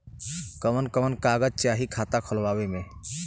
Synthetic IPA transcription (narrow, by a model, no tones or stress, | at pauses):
kəmənkəmənkaːɡəd͡ʒt͡ʃaːɦikʰaːt̪akʰəlwaːwemẽ